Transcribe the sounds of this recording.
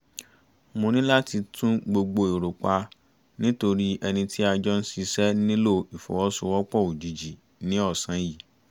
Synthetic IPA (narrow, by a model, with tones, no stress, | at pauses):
mõ˧nĩ˦la˦ti˧tʰũ˦ɡ͡bo˧ɡ͡bo˧e˨ɾo˨k͡pa˧ | nĩ˦to˧ɾi˦ʔɛ˧nĩ˧ti˦a˧d͡ʒɔ˦n̩˦si˧sɛ˦nĩ˦lo˦˨i˨fɔ̰˨wɔ˦sũ˦wɔ˦k͡pɔ˦˨u˨d͡ʒi˨d͡ʒi˨ | nĩ˨˦ɔ˦˨sã˨˦ji˨